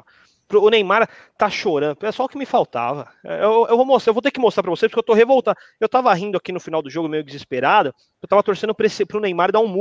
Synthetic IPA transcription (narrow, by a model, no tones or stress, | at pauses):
pɾʊːnej̃maɾ | t̪aʃoɾɐ̃nd̪ʊɛsɔʊkɪmɪfawt̪a̰vɐ | ɛ̰ewewewvomost̪ewvowt̪eɾkɪmost̪ɾapɾɐvosepɾkewt̪oɦevowt̪ɐ̃ | ewt̪avɐɦĩd̪ʊakinʊfinawd̪ʊʒoɡʊmejʊd͡ʒɪzɪspeɾad̪ʊ | ewt̪avɐt̪oɾsẽnd̪ʊpɾesɪpɾʊnej̃maɾɪd̪aũmu